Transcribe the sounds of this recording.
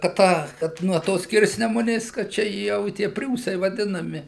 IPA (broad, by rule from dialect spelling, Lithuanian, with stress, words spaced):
kɐt ˈtɑː kɐt nuɔ ˈtoːs ˈsʲkʲɪrʲsʲnʲɛmʊnʲeːs ˈkɐt ˈt͡ʃʲɛ jɛʊ ɪ ˈtʲiɛ ˈpʲrʲuːsɐɪ ʋɐˈdʲɪnɐmʲɪ